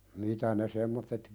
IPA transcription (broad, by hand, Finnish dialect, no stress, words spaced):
mitæ ne semːotːet